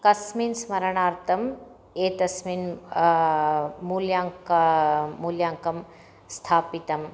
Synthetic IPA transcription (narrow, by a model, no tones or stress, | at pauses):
kɐsmiːnsmɐɾɐɳaːɾt̪ɐm | eːt̪ɐsmiːn | muːljaːŋkː | uljaːŋkɐm | st̪ʰaːpit̪ɐm